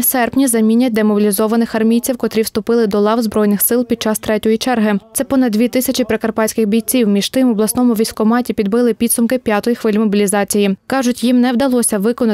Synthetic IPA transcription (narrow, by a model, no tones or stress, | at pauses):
sɛrpnʲizɐmʲinʲːɐt̚ʲd̪emɔbʲilʲizɔʋɐnɪxɐrmʲijt͡sʲiwkɔt̪ɾʲiwst̪ʊpɪlˠɪd̪ɔlˠɑwzbɾɔjnɪxsɪlˠpʲid̪̚t͡ʃɑst̪ɾɛtʲɔjit͡ʃɛrɦɪt̪sɛpɔnɐd̪̚d̪ʲʋʲit̪ɪsʲɐt͡ʃipɾekɐrpɑt͡sʲkɪxbʲijt͡sʲiwmʲiʒ̥t̪ɪmɔblˠɐsnɔmʊʋʲijsʲkɔmɑtʲipʲid̪̚bɪlˠɪpʲid̪sʊmkɪpʲjat̪ɔjixʋɪlʲmɔbʲilʲizɑt͡sʲijikɑʒʊtʲjimnɛwd̪ɐlˠɔsʲɐʋɪkɔnɐ